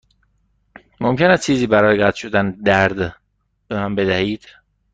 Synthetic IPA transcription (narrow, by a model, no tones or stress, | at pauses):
momcʰenæst͡ʃʰiːziːbæɾɒːjeɡæt̪ʰʃod̪ænd̪æɾd̪ | behæmbed̪æhiːd̪̥